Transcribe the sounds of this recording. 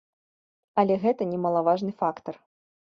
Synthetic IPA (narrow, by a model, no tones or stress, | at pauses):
ɐlʲɛɣɛt̪ɐnʲɛmɐlˠavaʐnɨfakt̪ɐr